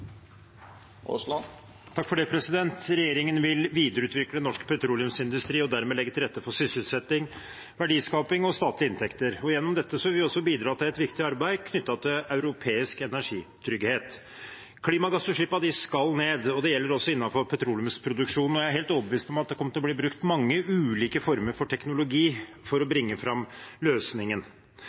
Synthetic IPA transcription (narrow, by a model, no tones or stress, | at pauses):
t̪ʰɑkːfɔɖepʰɾɛsɪd̪ɛnt̪ɾɛjeːɾɪŋənʋɪlʋiːd̪əɾəʉːt̪ʋɪklənɔʂkpʰɛt̪ʰɾulɪʉmsɪnd̪ʉst̪ɾiːɔd̪æɾmeːlɛɡːət̪ɪlɾɛt̪ːəfɔsʏsəlsɛt̪ːɪŋ | ʋæɖiːskɑːpɪŋɔst̪ɑːt̪lɪɪnt̪ʰɛkt̪əɾɔjɛnːɔmd̪ɛt̪ːəsɔɪlʋɪɔsːɔbiːd̪ɾɑːt̪ɪlɛt̪ʋɪkt̪ɪɑɾbæɪkʰnʏt̪ːɑt̪ʰɪlɑʉɾʊpʰeːɪskɛnæʂḭːt̪ʰɾʏɡheːt̪ | kʰliːmɑɡɑsːɔʂiːpɑd̪ɪskɑlneːd̪ɔd̪ɛjɛlːəɾɔsːɔɪnːɑnfɔɾpʰɛt̪ʰɾuːlʉmspʰɾʊd̪ʉkʂuːnɔjæɪæɾɦeːlt̪oːbəʋiːst̪ɔmɑt̪̚d̪ɛkɔmːət̪ɪlɔb̪liːbɾʉkt̪mɑŋːəʉːliːkəfɔɾməɾfɔʈʰɛknʊlʊɡiː | fɔɾɔbɾɪŋːəfɾɑmløːsnɪŋən